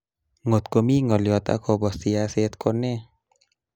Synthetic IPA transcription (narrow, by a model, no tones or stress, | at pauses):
ŋot̪̚komiŋɔliɔt̪a̰kʰɔbɔst̪iaset̪̚kʰone